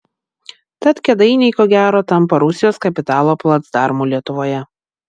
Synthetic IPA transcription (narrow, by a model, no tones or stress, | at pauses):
t̪ɐt̪kʲɛd̪ɐɪnʲɛɪkoːɡʲæːɾoːt̪ɐmpɐɾʊsʲɪjoːskɐpʲɪt̪ɑːlˠoːplˠɐt̪sd̪ɑˑɾmuːlʲiɛt̪ʊʋoːjɛ